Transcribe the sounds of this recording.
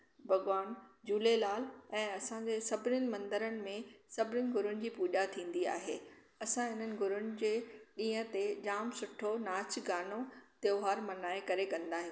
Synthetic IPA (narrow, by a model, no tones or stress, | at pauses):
bʱɐɠʋaːnd͡ʑuːlelaːlɛ̃ːɐsãɲd͡ʑeːsɐbɪnɪnɪ̆mɐ̃nd̪əɾənɪ̆mẽsɐbʱɪnjʊnɪ̆ɡʱʊɾʊnɪ̆d͡ʑiːpuːʄat̪ʰĩːn̆d̪ia̰ːɦeː | ɐsãɦɪn̤ənɪ̆ɡʱʊɾʊnɪ̆d͡ʑeːɗĩːɦə̃̆t̪ed͡ʑaːmsʊʈʰonaːt͡ɕʰɡaːnot̪joːɦaːɾmɐnaːekɐɾekɐ̃nd̪aːɦɪ̃